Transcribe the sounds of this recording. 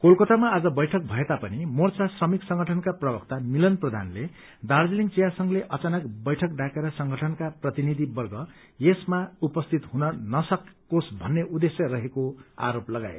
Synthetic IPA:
kolkʌt̪amaːd͡zʌbʌjʈʰʌk̚bʱʌet̪apʌnimort͡sasʌmiksʌŋɡʱʌʈʰʌnkaprʌbʌkt̪amilʌnprʌd̪ʱa̰nle | d̪ard͡ziliŋt͡sijasʌŋleʔʌt͡sanʌkbʌjʈʰʌk̚ɖakeɾʌsʌŋɡʱʌʈʰʌnkaprʌt̪inid̪ʱibʌrɡʌ | jesmaupʌst̪ʰit̪ɦunʌnʌsʌkː | osbʱʌnːeʔud̪esjʌrʌɦekoa̰ɾoplʌɡa̰ḛ

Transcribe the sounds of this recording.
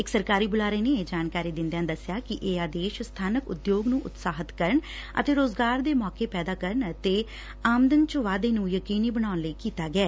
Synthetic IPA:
ɪksəɾkaːɾiːbʊlaːɾeːneːeːd͡ʒaːnkaːɾiːd̪ɪ̃nd̪ejaːd̪əsɪjaːkɪʔeːaːd̪eːʃst̪ʰaːnəkʊ̰d̪joːɡnũːʔʊt̪saːɦət̪kəɾəɳə̰t̪eːɾoːzɡaːɾd̪eːmɔːkeːpɛːd̪aːkəɾəɳət̪eː | aːmd̪ənt͡ʃəʋaːd̪eːnũːjəkiːniːbənaːʊnləiːkiːt̪aːɡɛː

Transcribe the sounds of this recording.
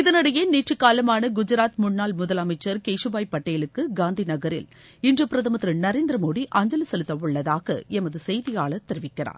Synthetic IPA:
ɪðɐnɐɽɐjeniːʈrɯkːaːlɐmaːnɐɡʊd͡ʒɪɾaːt̪mʊɳːaːlmʊðɐlɐmɐɪt͡ʃːɐɾkejʂɯbaːjpːɐʈːɐjɪlɯkːɯɡaːnd̪inɐɣɐɾɪ̰l | ɪndrɐpɪɾɐðɐmɐt̪ːɾɯnɐɾeːnd̪ɾɐmoːɽiʔaːɲd͡ʒɐlɐsɛlɯt̪ːɐʋɯɭːɐðaːɣɐ̰ɛmɐðɯsɛjðɪjaːɭɐt̪ːɛɾɪʋɪkːɪra̰ːɾ

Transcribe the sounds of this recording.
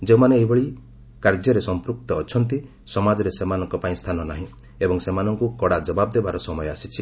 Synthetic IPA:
d͡ʒeũmaneːɦibɔɭi | kaɾd͡ʒjɔɾesɔmpɾuk̚t̪ɔːt͡ʃʰɔnt̪i | sɔmad͡ʒɔɾesemanɔŋkɔpaĩst̪ʰanɔnaɦĩ | ebɔŋsemanɔŋkukɔɽad͡ʒɔbabd̪ebaɾɔsɔmɔjɔasit͡ʃʰi

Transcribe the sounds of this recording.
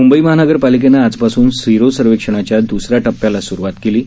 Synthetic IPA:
mumbəiməɦanəɡəɾpalik̬enaːd͡zpasuːnsiɾosəɾʋekʂəɽ̃at͡ɕjad̪usɾjaʈəpːjalasuɾuʋat̪keliː

